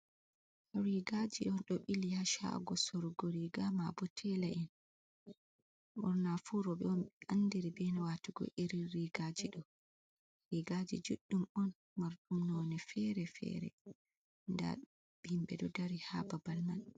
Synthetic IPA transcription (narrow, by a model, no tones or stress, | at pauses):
ɾiɡad͡ʒḭʔɔnɗɔɓilihaʃa̰ɡɔsoɾuɡoɾiɡamabɔtʰɛlaʔin | ʔɔɾnafuɾɔbɛɔnʔandiɾibɛnawatuɡɔ̰ʔiɾiɾiɡad͡ʒiɗɔ | ɾiɡad͡ʒḭd͡ʒuɗːumɔn | maɾɗumnɔnɛfɛɾɛfɛ̰ɾɛ̰ | nda̰ | bimbɛɗɔdaɾihababalman